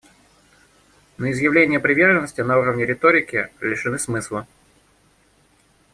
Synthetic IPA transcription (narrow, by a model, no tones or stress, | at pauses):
nəɪzjɪvlʲenʲɪjəpɾʲɪvʲe̞rʐənːəsʲtʲɪnɐuɾəvnʲɪɾʲɪt̪oɾʲɪkʲɪlʲɪʂɨnɨsmɨslˠə